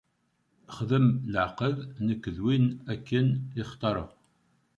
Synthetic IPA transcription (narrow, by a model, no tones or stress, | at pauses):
χəðəmləʕqəðnəkːəðwinækːənɪχt̪ˤːɑɾˤə̰ʁ